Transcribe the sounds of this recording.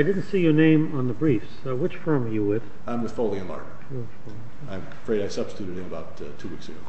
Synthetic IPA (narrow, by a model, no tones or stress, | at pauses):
ɪdɪdⁿn̩tsijə˞nẽɪ̃mə̃nðəbɹifs | wɨt͡ʃfɜ̃˞mjɨwɪd̥ | ãɪ̃mðɨ̥foʊlˠiɨ̃nlɑ̰ɹɾ̰ | folˠi | ãɪ̃mfɹeɪɾaɪsʌb̥stɨtʰʉɾɨɾɨ̃nəbaʊt | tʰuwiksɨɡo̰ʊ